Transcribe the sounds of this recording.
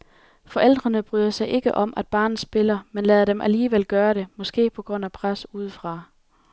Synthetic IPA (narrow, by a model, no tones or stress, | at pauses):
fɒ̽ʔel̰d̥ʁɐnəb̥ʁyːðˠɐsɑ̈ɪʔe̝ɡ̥əʔɒ̽mʔæd̥̚b̥ɑ̈ːnð̩ˠsb̥e̝lɐmenlɛðˠɾ̥emʔæliːʋel̰ɡ̥ɶːɐɾ̥e̝mɒ̽sɡ̥e̝̰ːpʰɒ̽ɡ̥ʁɔ̽n̰æpʰʁasuːð̞̰ˠfʁɑ̈